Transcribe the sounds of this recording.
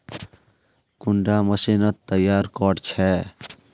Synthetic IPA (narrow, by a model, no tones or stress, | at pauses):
kuɳɖaməsinət̪ːəjaːɾkɔɽt͡ʃʰɛ